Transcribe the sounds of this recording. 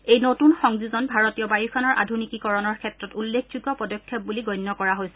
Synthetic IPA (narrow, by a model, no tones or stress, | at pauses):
ejnotunxɔŋzuzɔnbʱaɹotijɔbajikʰɔnɔɹʔa̰dʱunikikɔɹɔnɔɹkʰɛtɹɔtulːekʰd͡ʑuɡɔpɔdɔkʰːɔp̚buliɡɔjnːɔkɔɹaɦojsɛ